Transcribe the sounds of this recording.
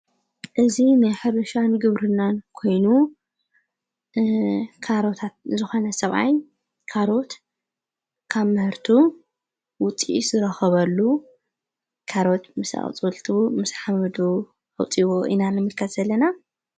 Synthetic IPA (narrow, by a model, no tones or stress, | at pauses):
ʔɨzinajħɨɾɨʃanɡɨβɾɨnːankʰo̞jnu | kʰaɾo̞t̪ʰat̪̚zɨxo̞nɐsɐβʔa̰j | kʰaɾo̞t̪ | kʰaβmɨhɨɾt̪ʰu | wʊt͡sʼḭz̥ɨɾɐxɨβɐlːu | kʰaɾo̞t̪mɨsa̰χt͡sʼɨlt̪ʰumɨsħamɨd̪u | ħɨ̰wt͡sʼiwoʔḭnanɨmɨlkʰɐt̪zɐlːɐna